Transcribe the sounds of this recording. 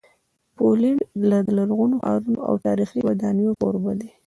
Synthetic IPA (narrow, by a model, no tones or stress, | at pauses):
poliɳlad̪əlaɾɣunoxɑ̰ɾunoʔa̰wt̪ɑɾixiwad̪ɑnijoko̰ɾbad̪e